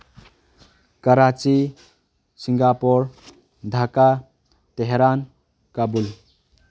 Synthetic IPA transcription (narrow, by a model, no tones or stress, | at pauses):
kəɾat͡ʃi | siŋɡapoɾ | d̪ʱaka | t̪eɦeɾan | kəbul